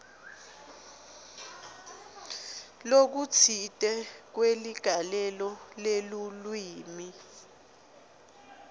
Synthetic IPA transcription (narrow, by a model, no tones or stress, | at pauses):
lok̬ut͡sʰitʼɛk̬weliɡ̥ʱalɛlɔlelulwiːmi